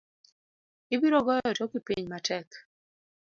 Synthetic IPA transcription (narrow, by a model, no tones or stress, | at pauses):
ibiɾɔɡɔjɔtɔkipiɲmatʰɛk